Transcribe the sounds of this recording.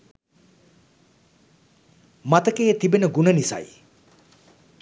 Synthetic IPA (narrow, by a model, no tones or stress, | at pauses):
mat̪əkeːt̪ibenəɡunənisa̰j